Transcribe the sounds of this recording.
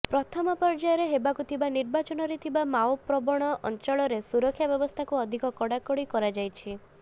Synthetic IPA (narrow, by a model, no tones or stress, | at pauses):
pɾɔt̪ʰɔmɔpɔɾd͡ʒajɔɾeɦebakut̪ʰibaniɾbat͡ʃɔnɔɾet̪ʰibamaopɾɔbɔɽ̃ɔʔɔ̰nt͡ʃɔɭɔɾesuɾɔkʰːjabjɔbɔst̪ʰakuɔd̪ʱikɔkɔɽakɔɽikɔɾad͡ʒajt͡ʃʰi